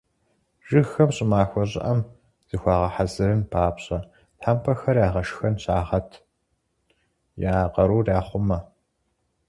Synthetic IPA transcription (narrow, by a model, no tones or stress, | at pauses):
ʒ̥ɨxɐmɕʼɪmaːxʷɐʑʼɪ̰ʔɐm | z̥ɨxʷɑːʁɐħazɨɾɨnpʰaːpɕʼɐ | tħaːmpʰɐxɐrjaːʁɐʃxɐnɕaːʁɐtʰ | jaːqɐɾuːraːχʷʊmɐ